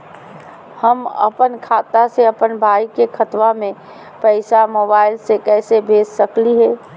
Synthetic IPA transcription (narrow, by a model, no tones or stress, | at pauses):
həmə̰pənkʰaːt̪aseɐpənbʱaːikekʰət̪wamẽ | pəɪsamoːbaːɪlsekɛːsebʱeːsːəkliɦɛː